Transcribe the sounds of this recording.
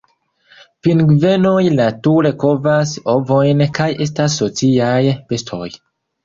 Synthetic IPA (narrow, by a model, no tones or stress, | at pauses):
pinɡve̞no̞jnatuɾe̞ko̞vasovojnkaje̞s̬tas̬ːo̞t͡siajpe̞stʰo̞̰j